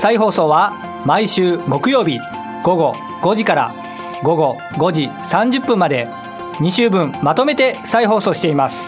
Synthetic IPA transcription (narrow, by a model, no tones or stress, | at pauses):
saiɦo̞ːso̞ːβa | maiɕɨːmo̞kɯ̟jo̞ːbʲi | ɡ̥o̞ɡo̞ | ɡ̥o̞d͡ʑikaɾa̰ | ɡo̞ɡo̞ | ɡo̞d͡ʑi | sãɲ̟d͡ʑɨpːɯ̃mːad̪e̞ | ɲ̟iɕɨːbɯ̟̃mmat̪o̞me̞t̪e̞saiɦo̞ːso̞ːɕi̥t̪e̞imasɨ̥